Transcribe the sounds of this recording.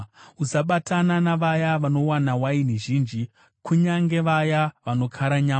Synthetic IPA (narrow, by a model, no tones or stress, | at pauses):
usaɓatananaʋajaʋano̞wanawainiʒiːnd͡ʒi | kʰuɲaŋɡe̞ʋajaʋano̞kʰaɾaɲaː